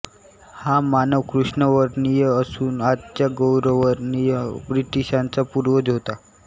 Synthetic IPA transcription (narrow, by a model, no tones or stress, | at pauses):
hamanəʋkɾuʂɳəʋəɾnijəəsuːnat̪t͡ɕjaɡowɾəʋəɾnijəbɾiʈiɕãnt͡sapuɾʋəd͡zɦot̪a